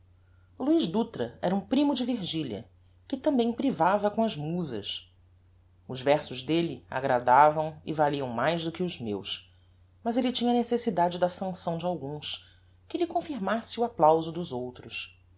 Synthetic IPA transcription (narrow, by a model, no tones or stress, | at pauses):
luiʒd̪ut̪ɾɐɛɾɐũpɾimʊd͡ʒɪviɾʒilɐ̰ | kɪt̪ɐ̃mbẽj̃pɾivavɐkõɐzmuzɐ̰s | ʊzvɛɾsʊʒd̪elɪa̰ɡɾad̪avɐ̃w̃ɪ̰valiɐ̃w̃majzd̪ʊkɪʊzmḛws | mɐzelɪt͡ʃĩɲɐnesesid̪ad͡ʒɪd̪ɐsɐ̃sɐ̃w̃d͡ʒɪawɡũs | kɪlɪkõfiɾmasɪuaplawzʊd̪ʊzowt̪ɾʊs